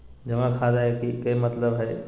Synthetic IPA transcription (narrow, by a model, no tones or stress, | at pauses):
d͡ʒɐʋãkʰadaɦekikɐimɐt̪ləbɦɛː